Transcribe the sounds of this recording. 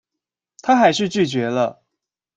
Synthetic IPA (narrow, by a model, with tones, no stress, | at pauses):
t̪ʰa˥xa˧˥ɪʂɻ̩˥˧t͡ɕy˥˩t͡ɕɥɛ˨˧˥lə˧